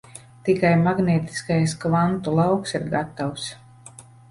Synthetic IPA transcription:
t̪ikajmaɡnʲeːt̪i̥skajskvant̪ulˠawksiɾɡat̪ːaws

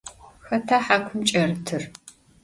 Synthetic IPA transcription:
xɐtʰaːħaːkʷʰʊmt͡ʃʼɐrɨtʰɨr

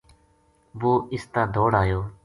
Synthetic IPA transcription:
ʋoːɪst̪ãːd̪ʱoːɽaːjoː

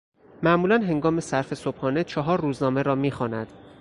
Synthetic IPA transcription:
mæʔmuːlænɦe̞ŋɡɒːme̞sæɾfe̞sobhɒːne̞t͡ʃʰɒɦɒːɾːuːznɒːme̞ɾɒːmiːxɒːnæd̪̥

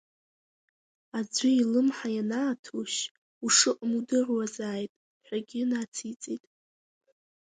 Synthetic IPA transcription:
ad͡zʷɪilɨmħajanaːtʰuʃ | uʂɨqʼmudɨrwazaːjtʼ | ħᶣʷaɡʲɪnat͡sʰit͡sʼetʼ

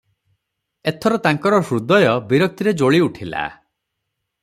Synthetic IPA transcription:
et̪ʰɔɾɔt̪aŋkɔɾɔsɾud̪ɔjɔbiɾɔk̚t̪iɾed͡ʒoɭiuʈʰila̰

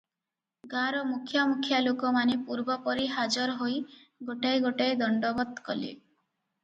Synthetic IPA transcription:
ɡaɾɔmukʰjamukʰjalokɔmanepuɾbɔpɔɾiɦad͡ʒɔɾɔɦoj | ɡoʈajɡoʈajd̪ɔɳɖɔbɔd̪kɔlḭ

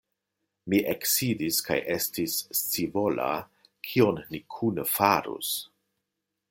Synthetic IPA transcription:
miʔeksidiska̰jʔe̞stist͡sivola̰ | kʰio̞nːikʰunəfaɾṵs

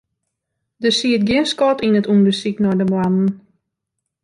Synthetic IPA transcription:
dəsiət̚ɡɪənskɔtinətundəsiknɔdəblann̩

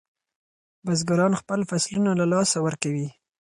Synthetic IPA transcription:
bazɡaɾɑnxpəlfaslunalalɑsawəɾkawi

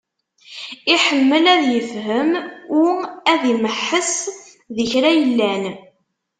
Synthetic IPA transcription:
iħəmːəlæðjəfɦəmʊʁæðiməħːəs | ðəçɾæjəlːæn

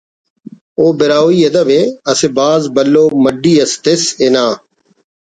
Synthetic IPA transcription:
oːbɪɾaːwiːɐd̪əbeːɐsebaːzbəlːoːməɖiːəst̪ɪsenaː

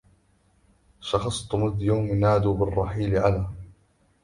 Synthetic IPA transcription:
ʃɑxɑsˤt̪ʊmɪðjawmɪnaːd̪ubɪrˤːɑħiːlɪʕalaː

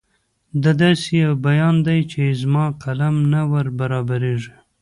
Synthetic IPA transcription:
d̪ad̪ɑsijawbajɑnd̪ajt͡ʃezmɑqʰalamnawaɾbaɾɑbaɾeʐi

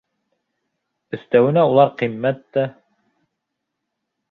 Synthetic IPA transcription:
ɵ̆θt̪æwɘ̆næulˠɑɾqimːæt̪ːæ

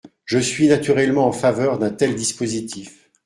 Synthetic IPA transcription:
ʒəsɥinat̪yʁɛlmɑ̃ɑ̃favœʁd̪ɛ̃t̪ɛld̪ispozit̪ʰif

